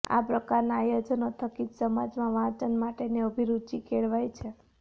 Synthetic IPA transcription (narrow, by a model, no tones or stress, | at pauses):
a̰pɾəkaɾnaːjod͡ʒənot̪ʰəkid͡ʒsəmad͡ʒmãʋãt͡ʃənmaʈeneəbʱiɾud̪̚t͡ʃikʰeɭʋajt͡ʃʰe